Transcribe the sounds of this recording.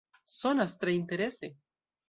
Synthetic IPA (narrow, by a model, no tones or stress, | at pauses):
sonast̪ɾaint̪eɾese